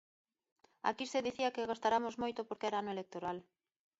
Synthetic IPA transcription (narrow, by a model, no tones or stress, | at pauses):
a̰kiseðiθiɐkeɣast̪aɾamozmojt̪opoɾkeɛɾaanoelek̚t̪oɾal